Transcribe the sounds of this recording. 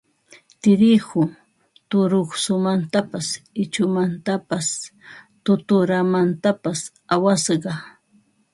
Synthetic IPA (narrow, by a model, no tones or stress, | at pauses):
t̪ɪɾɪhʊ | t̪ʊɾoχsʊmant̪apasɪt͡ʃʊmant̪apast̪ʊt̪ʊɾamant̪apas | awasɢɑ